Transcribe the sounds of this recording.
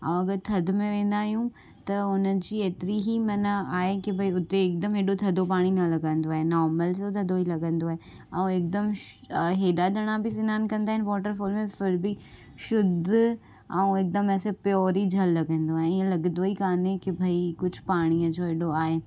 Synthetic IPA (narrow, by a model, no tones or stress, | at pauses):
ɐ̰̃ũɐɡəɾt̪ʰɐd̪mẽʋẽːnd̪aːɦijũ | t̪ɐʊnəd͡ʑiːeːt̪ɪɾiɦimɐnəaːɦekɪbʱɐiʊt̪eːk̚d̪ɐmɦeːɗot̪ʰɐd̪ʱopaːɽ̃inɐlɐɡə̃nd̪oaːɦenɔːɾməlsot̪ʰɐd̪oilɐɡə̃nd̪oaːɦe | ɐ̃ũek̚d̪əm | ɦeːɗaɗɐɽ̃abʱɪs̬ɪnaːnkɐ̃nd̪aːɦɪnɪʋɔːʈəɾfoːlmẽfɪɾbɪ | ʃʊd̪ʱ | ɐ̰ũek̚d̪ɐmɛːsepjɔːɾid͡ʑʱɐlːɐɡə̃nd̪oaːɦẽɪẽlɐɡnd̪oikaːnẽkɪbʱɐikʊd͡ʑʱʊpaːɽ̃iəd͡ʑoːɦeːɗoaːɦeː